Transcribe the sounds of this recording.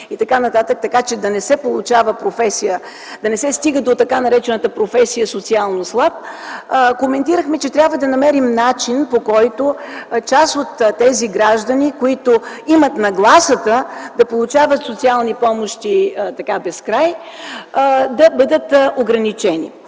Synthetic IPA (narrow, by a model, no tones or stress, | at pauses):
it̪ɐkanɐt̪at̪ək̚t̪ɐkat͡ʃɛd̪ɐnɛsɛpolˠut͡ʃavəpɾofɛsijə | d̪ɐnɛsɛst̪iɡəd̪ot̪ɐkanɐɾɛt͡ʃɛnət̪əpɾofɛsijəsot̪sialˠnoslˠap̚ | komɛnt̪iɾəxmɛt͡ʃɛt̪ɾʲabvəd̪ɐnɐmɛɾimnat͡ʃinpokɔjt̪ot͡ʃasot̪ːɛziɡɾaʒd̪ənikoit̪oimət̪nɐɡlˠasət̪əd̪ɐpolˠut͡ʃavət̪sot̪sialˠnipɔmoʃt̪it̪ɐkabɛskɾaj | d̪ɐbɤd̪ət̪oɡɾɐnit͡ʃɛnḭ